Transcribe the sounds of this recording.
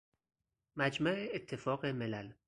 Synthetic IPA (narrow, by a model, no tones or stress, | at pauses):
mæd͡ʒmæʔeːt̪ʰːe̞fɒːɣemelæl